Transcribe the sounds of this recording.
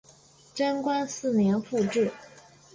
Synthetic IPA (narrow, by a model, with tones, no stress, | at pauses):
ʈ͡ʂə˥nkwa˥nsɹ̩˥˩njɛ˧˥nfu˥˧ʈ͡ʂɻ̩˥˩